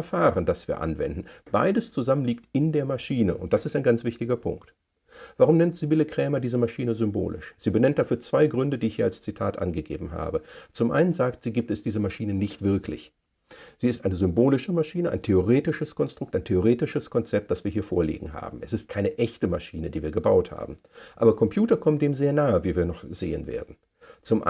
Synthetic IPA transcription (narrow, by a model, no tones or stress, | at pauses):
ɐfaːʁəndasv̥iːɐʔa̰nvɛ̰ndn̩b̥a̰ɪdəst͡suzamənliːktɪndeːɐmaʃiːnəʔʊ̰nt̚d̥asɪstaɪnɡant͡sv̥ɪçtɪɡɐpʰʊ̰ŋkt | v̥aʁʊmnɛntz̥ibɪləkʁ̥ɛːmɐdiːzəmaʃiːnəzʏmbo̰ːlɪ̰ʃz̥iːbənɛnt̚d̥afyːɐt͡sv̥aɪɡʁʏndədiːɪçhiːɐalst͡sitʰaːtʔa̰nɡəɡḛːbm̩ɦa̰ːbət͡sʊmʔa̰ɪnənzaːktz̥iːɡiːp̚tɛsd̥iːzəmaʃiːnənɪçtv̥ɪɐklɪ̰ç | z̥iːɪstʔaɪnəzʏmboːlɪʃəmaʃiːnəʔaɪntʰeoʁeːtɪʃəskɔnstʁ̥ʊk̚taɪntʰeoʁ̞eːtɪʃəskʰɔnt͡sɛp̚t̚d̥asv̥iːɐɦiːɐfoːɐlḭːɡŋ̩ɦa̰ːbm̩ɛsɪst̚kʰaɪnəʔɛçtəmaʃiːnədiːviːɐɡəbaʊtha̰ːbm̩ | ʔaːbɐkʰɔmpʰj̥uːtɐkʰɔmətd̥eːmzeːɐnaːəviːviːɐnɔχz̥ḛːə̰nvḛːɐdn̩ | t͡sʊmʔ